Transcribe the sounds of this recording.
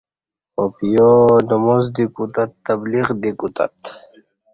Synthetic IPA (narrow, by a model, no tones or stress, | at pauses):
opijonɐmozd̪ikut̪at̪ːɐbliʁd̪ikut̪a̰t̪